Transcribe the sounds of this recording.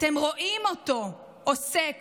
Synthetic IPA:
t̪emʁo̞ʔimot̪o̞ | ʔosek

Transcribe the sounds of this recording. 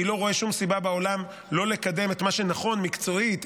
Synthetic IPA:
ilo̞ʁo̞e̞ʃumsibabao̞lam | lo̞le̞kad̪e̞met̪maʃe̞naχo̞nmikt͡so̞it̪

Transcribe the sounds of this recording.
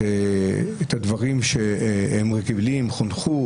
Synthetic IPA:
eet̪ad̪vaʁimʃeemʁekiblimχonχu

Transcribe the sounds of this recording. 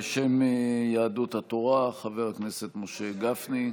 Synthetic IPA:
ʃemjaːdut̪hat̪o̞ʁaχaveʁakne̞set̪moʃe̞ɡafni

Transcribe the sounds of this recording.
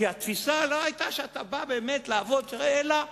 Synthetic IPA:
iat̪fisaloajt̪aʃeat̪ababe̞ːme̞t̪laːvo̞t̪ʁeela

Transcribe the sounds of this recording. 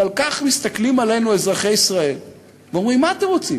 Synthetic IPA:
alkaχmist̪aklimale̞jnue̞zʁaχe̞jisʁae̞l | veo̞mʁimːaːt̪emʁot͡si

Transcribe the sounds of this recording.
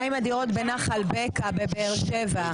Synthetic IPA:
aimad̪iʁo̞t̪benaχalbekabebeːʁʃeva

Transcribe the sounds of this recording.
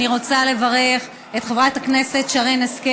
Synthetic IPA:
iʁo̞t͡sale̞vaʁe̞χ | et̪χevʁathakne̞se̞tʃaʁeneske

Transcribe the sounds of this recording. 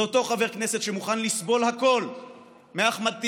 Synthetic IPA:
oto̞χave̞ʁknese̞t̪ʃemuχanlisbo̞lhako̞l | meaχmad̪̚t̪i

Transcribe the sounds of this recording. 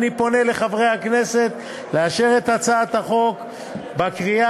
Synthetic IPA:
nipo̞ne̞le̞χavʁe̞jhakne̞se̞t̪ | leaʃe̞ʁet̪hat͡saːt̪haχo̞k | bakʁia

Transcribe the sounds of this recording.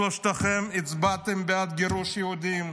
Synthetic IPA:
oʃt̪aχɛmɪt͡sbat̪ɛmbeat̪ɡeɾuʃjehud̪im

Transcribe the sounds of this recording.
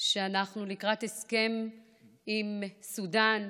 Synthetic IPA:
ʃeanaχnulikʁateske̞m | imsudan

